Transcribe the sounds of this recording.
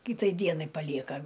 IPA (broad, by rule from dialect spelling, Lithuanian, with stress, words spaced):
ˈkʲiːtɐɪ ˈdʲiɛnɐɪ pɐˈlʲiɛkɐ